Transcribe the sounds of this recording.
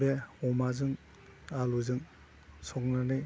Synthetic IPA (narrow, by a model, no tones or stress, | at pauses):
beɔmazɯŋ | aluzɯŋ | sɔk̚nanɯj